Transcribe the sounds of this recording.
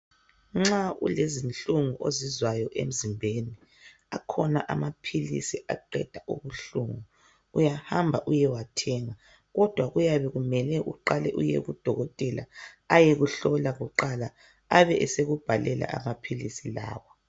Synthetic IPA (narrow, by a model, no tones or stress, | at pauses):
ŋ͡ǁaṵlezint͡ɬʼuŋuʔozizwajɔʔḛm̩zimbʱeni | akʰɔnaʔamapʰilḭsia̰ǃɛ̰d̥ʱaʔuβuɬuŋu | ujahambʱaʔujɛwatʰɛŋa | ɣɔd̥ʱwaɣujaβɛɣumɛlɛʔuǃalɛ̰ʔujḛɣud̥ʱɔɣɔtʼɛla̰ | ajeɣuɬɔlaɣuǃalaː | βɛʔɛseɣub̥ʱalɛla̰ʔa̰mapʰilisila̰ːwɔ